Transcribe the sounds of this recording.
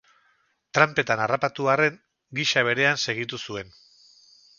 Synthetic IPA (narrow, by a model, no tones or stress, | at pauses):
t̪ɾampe̞t̪anarapat̪uare̞ŋ | ɡiʃaβ̞e̞ɾe̞anse̞ɣ̞it̪usue̞n